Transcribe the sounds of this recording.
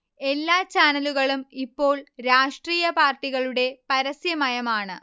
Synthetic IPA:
e̞lːaːt͡ɕaːnɐluɣɐɭumipːo̞ːɭɾaːʂʈriːjɐpaːrʈːiɣɐɭuɽe̞pɐɾɐsjɐmɐjɐmaːɳɨ

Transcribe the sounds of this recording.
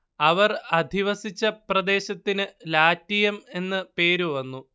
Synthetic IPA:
ɐʋɐrɐd̪ʱiʋɐsit͡ɕːɐprɐd̪e̞ːɕɐt̪ːinɨlaːtːijɐme̞nːɨpe̞ːɾuʋɐnːu

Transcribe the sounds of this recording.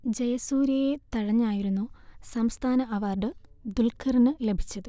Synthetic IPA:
d͡ʑɐjɐsuːɾjɐjet̪ɐɻɐɲːaːjiɾunːusɐmst̪ʰaːnɐʔɐʋaːrɖɨd̪ulkʰɐrnɨle̞bʱi̥t͡ɕːɐðɨ

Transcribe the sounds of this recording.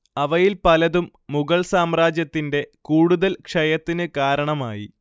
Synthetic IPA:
ɐʋɐjilpɐlɐðumːuɣɐɭsaːmraːd͡ʑjɐt̪ːinde̞kuːɽuðɐlkʂɐjɐt̪ːinɨkaːɾɐɳɐmaːji

